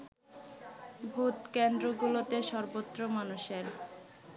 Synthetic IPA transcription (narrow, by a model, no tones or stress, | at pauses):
bʱut̪kend̪ɾoɡulot̪eʃɔɾbot̪ːɾomanuʃeɾ